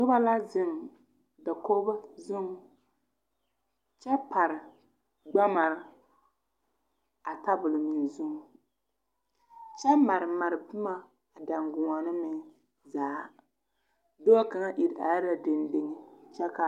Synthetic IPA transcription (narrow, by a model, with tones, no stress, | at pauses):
nʊ˦ba˦la˦zɪ˦ŋ˨ | da˨ko˦ba˦zʊ˦ŋ˦ | t͡ʃɛ˦pa˨ɾɪ˨ | ɡ͡ba˦ma˨ɾɪ˦ | a˨ta˦bʊ˨lɨ˨mi˨n˨zʊ˦ŋ˨ | t͡ʃɛ˦ma˨ɾɨ˨ma˨ɾɨ˨bʊ˦ma˦˨ | da˨ŋɡʊ˨ŋa˨nɨ˦mɛ˨ | zaː˨˦ | do˦a˦ka˨ŋa˦ʔi˨ɾʔa̰˨ja˦ɾa˨dɪ˨ndɪ˦ŋɪ˦t͡ʃɛ˦ka˨